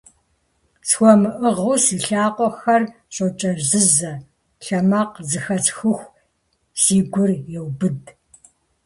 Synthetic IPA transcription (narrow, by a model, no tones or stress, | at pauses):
sxʷɔmɨʔɨʁɨwsiːɬaːqʷʼɔxɐr | ɕʼɐt͡ʃʼɐrzɨzɐ | ɬɐmɐqzɨxɐt͡sxɨxʷ | siːɡʷʊrjɛwbɨd